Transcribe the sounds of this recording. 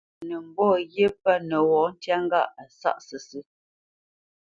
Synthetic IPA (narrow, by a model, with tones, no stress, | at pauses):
nə˨m̩˨bɔ˦˨jje˦pə˦nə˨wɔ˨˦n̩˦tja˦ŋ˦ɡa˦ʔa˨sa̰˦ʔsə˨sɨ˦